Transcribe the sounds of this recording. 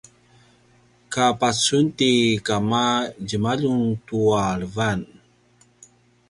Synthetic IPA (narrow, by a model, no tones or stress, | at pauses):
kapat͡suntikamaɟəmaʎuŋtuaɭəvan